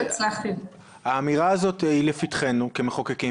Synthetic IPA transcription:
t͡slaχt̪i | haːmiʁaːzo̞t̪ilefit̪χe̞nukemeχokeki

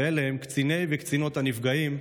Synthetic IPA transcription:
eleemkt͡sine̞jvekt͡sino̞t̪hanifɡaim

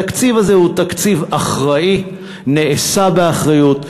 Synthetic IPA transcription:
akt͡sivazehut̪akt͡sivaχʁai | neːsabeaχʁajut

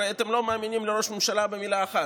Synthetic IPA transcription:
aet̪emlo̞meaːminimleɾo̞ʃmemʃalabemilaːxa

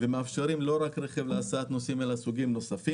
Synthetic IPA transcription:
vemeafʃeɾimlo̞ɾakɾeχevleasaat̪no̞simelasuɡimno̞safim

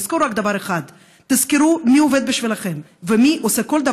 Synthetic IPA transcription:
z̥koɾɾakd̪ɐavaɾeχad̪ː | iz̥kiɾumioved̪̚biʃvilaχe̞m | vemiʔoseko̞ld̪ɐ

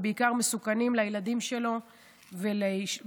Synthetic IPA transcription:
beikaʁme̞sukanimlajelad̪imʃe̞lo̞ | veleʃ

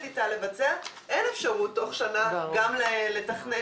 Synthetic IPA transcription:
titale̞vat͡sea | ʔene̞fʃaʁutːo̞χʃanaɡamlele̞taχne

